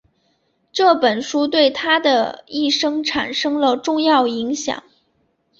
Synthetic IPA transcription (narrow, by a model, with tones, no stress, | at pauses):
ʈ͡ʂɤ˥˩pə˨˩nʂu˥t̪̬we˥˩ɪt̪ʰa˥d̪ə˨i˥˩ʂɤ˥ŋʈ͡ʂʰa˨˩nʂɤ˥ŋlə˨ʈ͡ʂʊ˥˧ŋjɑ˥˩ʊi˧˥ŋɕjɑ̰˨˩˦ŋ